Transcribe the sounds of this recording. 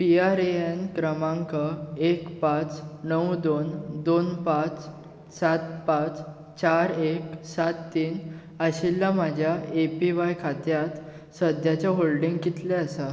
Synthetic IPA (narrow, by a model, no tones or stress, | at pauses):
piaɾeenkɾəmãŋkəekpãt͡snəwd̪ond̪onpãt͡s | sat̪pãt͡s | t͡ɕaɾeksat̪ːiːn | əɕilːam̤ad͡ʑʱjaepiʋajkʰat̪jat̪ | səd̪jat͡ɕjaɦolɖĩŋɡkit̪lɛəsa